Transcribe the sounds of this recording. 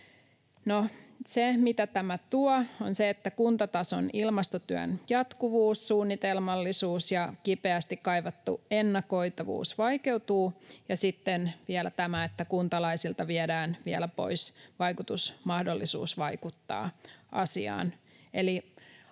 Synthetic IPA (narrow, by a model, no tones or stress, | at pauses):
nosemit̪æt̪æmæt̪uɑonseet̪ːækunt̪ɑt̪ɑso̰nilmɑst̪ot̪yø̰njɑt̪kuʋuːssuːnːit̪elmɑlːisuːsjɑkipeæst̪ikkɑiʋɑt̪ːṵenːɑko̞it̪ɑʋṵːsʋɑike̞uwt̪uːjɑsit̪ːenʋiɛlæt̪æmæet̪ːækunt̪ɑlɑisilt̪ɑʋiedæːnʋiɛlæpo̞̰isʋɑjkut̪usmɑhdolːisṵːsʋɑikut̪ːɑ̰ːʔɑ̰siɑ̰ːneli